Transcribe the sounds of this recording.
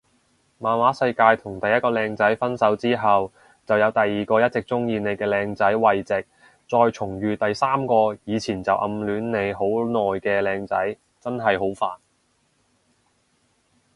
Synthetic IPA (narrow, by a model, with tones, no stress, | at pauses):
maː˨nwaː˨˥sɐ˧jkaː˧jt̪ʰʊ˨˩ŋt̪ɐ˨jɐ˥t̚kɔː˧lɛː˧ŋt͡sɐ˨˥jfɐ˥nsɐ˨˥wt͡siː˥ɦɐ˨w | t͡sɐ˨wjɐ˨˧wt̪ɐ˨jːiː˨kɔː˧jɐ˥t̚t͡sɪ˨k̚t͡sʊ˥ŋjiː˧ne˨˧jkɛː˧lɛː˧ŋt͡sɐ˨˥jwɐ˨jt͡sɪ˨k̚ | t͡sɔː˧jt͡ʃʰʊ˨˩ŋjyː˨t̪ɐ˨jsaː˥mkɔː˧jiː˨˧t͡sʰiː˨˩nt͡sɐ˨wʔɐ̰˧mlyː˨˧nne˨˧jɦo˨˥wnɔː˨jkɛː˧lɛː˧ŋt͡sɐ̰˨˥j | t͡sɐ˥nɦɐ˨jɦo˨˥wfaː˨n